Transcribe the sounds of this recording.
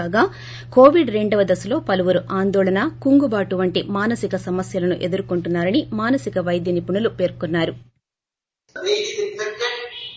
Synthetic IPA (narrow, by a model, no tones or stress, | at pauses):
aːɡaː | ko̞ːʋiɖɾe̞ɳɖɐʋɐd̪ɐsulo̞ːpɐluʋuɾuʔaːnd̪ɔːɭɐnakuŋɡubaːʈuʋɐɳʈimaːnɐsikɐsɐmɐsjɐlɐnuʔe̞d̪uɾukuɳʈunːaːɾɐnimaːnɐsikɐʋɐjd̪jɐnipuɳulupe̞ːɾkunːaːɾu